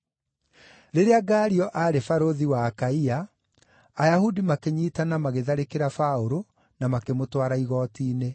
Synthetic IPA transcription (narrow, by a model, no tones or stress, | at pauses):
ɾeɾeaɡaːɾiɔʔaɾefaɾoðiwaːkaiaː | jahudimakeɲiːtanamaɣeðaɾekeɾafaoɾo | namakemotwaɾaiɣɔːtiːne